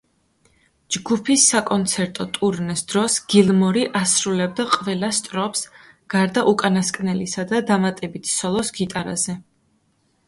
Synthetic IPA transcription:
d͡ʒɡupʰisːakʼɔnt̪sʰɛɾt̪ʼɔt̪ʼuɾnɛsd̪ɾɔsɡ̥ilˠmɔɾiʔasɾulɛbd̪aqʼvɛlˠast̪ʼɾɔps | ɡ̥aɾd̪aʔukʼanaskʼnɛlisad̪ad̪amat̪ʼɛbit̪ʰsɔlˠɔsɡit̪ʼaɾa̰zɛ

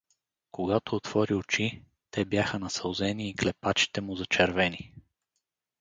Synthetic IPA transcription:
koɡat̪oːt̪v̥ɔɾiot͡ʃi | t̪ɛbjaxənɐsɐlˠzɛniːklɛpat͡ʃi̥t̪ɛmʊzɐt͡ʃɛɾvɛni

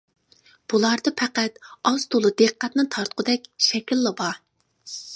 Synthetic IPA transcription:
b̥ulˠɑɾd̪ɨpʰɛqæt̪ɑzt̪ʰolˠɨd̪eqqːæt̪nɨt̪ʰɑɾt̪qʊd̪ɛkʲʃɛkʲilˠːɨbɑ

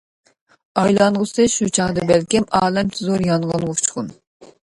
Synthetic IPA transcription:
ɑjlˠɑnʁʊsɨʃut͡ʃʰɑŋd̪ɨbɛlkʲimɑːlˠɛmt̪ʰɨzoɾjɑnʁɑnʁʊt͡ʃʰχʊn

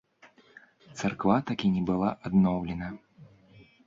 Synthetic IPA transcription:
t̪sarkvat̪akʲinʲɛbɨlˠaʔad̪nɔwlʲɛnɐ

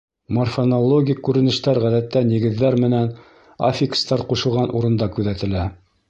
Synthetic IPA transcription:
morfonolˠoɡʲikːʉɾɘ̆nɘ̆ʃt̪æɾʁæðæt̪ːænjɘ̆ɡɘ̆ðːæɾmɘ̆næn | a̰fʲikst̪ɑɾquʃɤ̆lˠʁɑnʔuɾɤ̆nd̪ɑkʉðæt̪ɘ̆læ

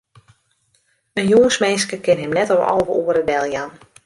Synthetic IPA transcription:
ənjoŋəsmenskəkɪnɦɪmnɛtɔwɔ̰ːvəuəɾəʋɛlˠjan

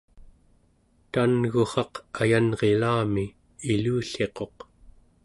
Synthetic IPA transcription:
t̪anɣoχɑqajanʁe̞laːmiː | luːɬe̞qo̞q

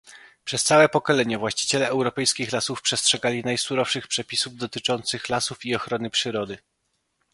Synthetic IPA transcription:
pʂɛst̪sawɛpɔkɔlɛɲɛvwaɕt͡ɕi̥t͡ɕɛlɛɛwɾɔpɛjskʲixlasufpʂɛstʂɛɡalʲinajsuɾɔfʂɘxpʂɛpʲisuvd̪ɔt̪ɘt͡ʂɔnt̪sɘxlasufiɔxɾɔnɘpʂɘɾɔd̪ɘ

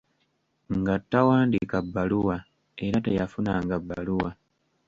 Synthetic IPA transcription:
ŋɡatːawaːndikabːaluwa | eɾatejafunaːŋɡabːa̰luwa

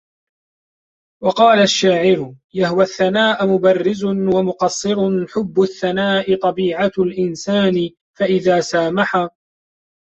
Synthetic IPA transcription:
wɑqɑːlaʃːaːʕɪɾʊ | jahʊwaθːanaːʔʊmʊbɑrːɪzʊnwamʊqɑsˤːɨɾʊnħʊbːʊθːanaːʔɪt̪ˤɑbiːʕalʔɪnsaːnɪ | faʔɪðaːsaːmaħa

